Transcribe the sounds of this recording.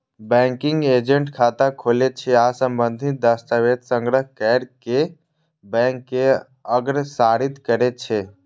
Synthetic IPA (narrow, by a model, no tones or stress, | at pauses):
bɛ̃ŋkiŋɡed͡ʒeɳʈkʰat̪akʰolet͡ʃʰɛasəmbənd̪ʱit̪̚d̪əst̪əʋed̪səŋɡɾəɦkɛɽke | bɛŋkːe | əɡɾsaɾit̪kəɾɛt̚t͡ʃʰɛ